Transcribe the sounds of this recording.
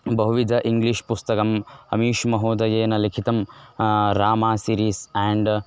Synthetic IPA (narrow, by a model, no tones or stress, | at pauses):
bɐɦuʋid̪ʱɐʔiŋɡliʃpust̪ɐkɐmɐ̰miːʃmɐɦoːd̪ɐjeːnɐlikʰit̪ɐm | ɾaːmaːsiːɾiːsɛːɳɖ